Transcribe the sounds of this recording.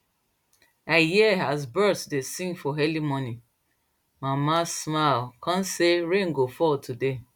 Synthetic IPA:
ajiazbɜtdesĩŋɡfɔɦɛlimɔ̃nĩ | mamasmalkãnseɹẽŋ̩ɡofɔltʰude

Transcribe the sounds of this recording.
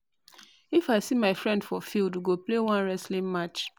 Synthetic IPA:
ifaɪsimaɪfɹɛ̃ndfɔfildɡoplewãnɹɛslĩŋmat͡ʃ

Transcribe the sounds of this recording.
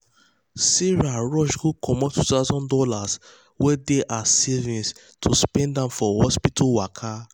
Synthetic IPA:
siɹaɹɔʃɡukʰɔmɔtʰːutaʊzɔ̃ndɔlas | wɛdeʔasivĩns | tʰuspɛ̃ndãʊ̃nfɔhɔspitʰɔwakʰa

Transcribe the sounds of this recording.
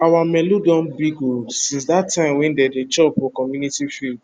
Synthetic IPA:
awamɛludɔ̃nbiɡosĩns̬datʰːãɪ̃mwɛ̃ndɛdet͡ʃɔpɔkɔmjunitifild

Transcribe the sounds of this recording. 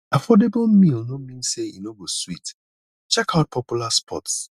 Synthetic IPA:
afɔdeb̩mĩlnomĩnseḭnoboswit | t͡ʃɛkʰaʊt̚pʰɔpjulaspʰɔ̰ts

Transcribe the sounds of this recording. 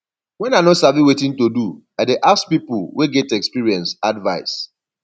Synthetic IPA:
wɛ̃nanɔtsaviwetĩntodu | adeʔaspipʊlweɡɛtɛkspiɹiɛ̃nsadvaɪs

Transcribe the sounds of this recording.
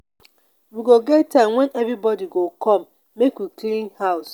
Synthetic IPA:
wiɡoɡetːãmwɛnɛvɾibɔdiɡokʰɔmː | ekwiklĩnhaʊs

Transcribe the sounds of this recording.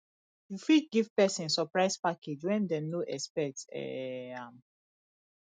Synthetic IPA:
jufiɡivpɛsĩnsɔpɹaɪspakʰed͡ʒwɛ̃ndɛnoʔɛ̰spɛtɛ̰ãm

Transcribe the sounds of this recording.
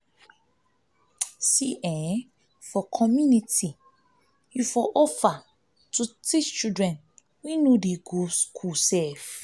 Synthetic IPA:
siʔɛ | fɔkʰɔmjuniti | jufɔʔɔfa | tutit͡ʃt͡ʃudɹɛ̃n | wĩnodeɡoskʰusɛf

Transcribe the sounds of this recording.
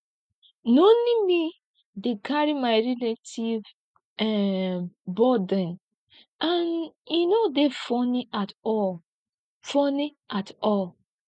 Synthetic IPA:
nolimi | dekʰaɹimaɪɹiletʰiv | ɛ | bɔdə̃n | aninodefɔniatɔ | fɔni | atɔl

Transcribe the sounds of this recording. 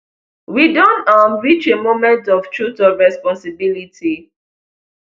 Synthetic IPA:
widɔ̃namɹit͡ʃemomɛ̃ntɔftɹutɔɹɛspɔ̃nsibilitʰi

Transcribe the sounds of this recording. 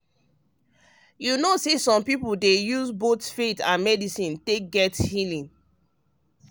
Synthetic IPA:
junosesɔ̃mpipuldejuzbotfetã̰nmɛdisĩntek̚ɡɛthilĩn

